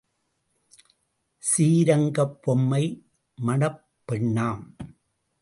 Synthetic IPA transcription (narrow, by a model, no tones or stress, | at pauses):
siːɾɐŋɡɐpːɔmːɐɪ | mɐɳɐpːɛɳːaːm